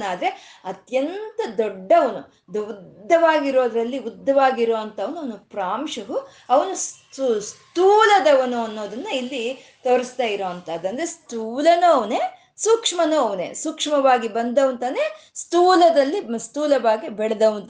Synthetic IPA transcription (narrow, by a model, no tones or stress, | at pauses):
naːd̪ɐɾeɐt̪jɐnt̪ɐd̪ɔɖːɐʋɐnu | d̪ɐud̪ːɐʋaːɡiɾoːd̪ɾɐlːiud̪ːɐʋaːɡiɾoːʋɐnt̪ɐʋɐnuɐʋɐnupɾaːmʂɐɡu | ɐʋɐnus | st̪uːlɐd̪ɐʋɐnuɐnːo̞ːd̪ɐnːɐilːi | t̪oːɾist̪aːjiɾoːɐnt̪ɐːd̪ɐnd̪ɾest̪uːlɐnuɐʋɐneː | sukʂmɐnuɐʋɐnḛːsukʂmɐʋaːɡibɐnd̪ɐʋɐnt̪ɐneː | st̪uːlɐd̪ɐlːist̪uːlɐbaːɡibɛɽɐd̪ɐʋɐnt̪